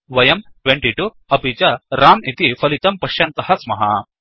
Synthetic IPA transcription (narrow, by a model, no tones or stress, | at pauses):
ʋɐjɐmʈʋeɳʈiʈu | ɐpit͡ʃɐɾaːmit̪ifʰɐlit̪ɐmpɐʂjɐnt̪ɐhɐsmɐɦɐ̰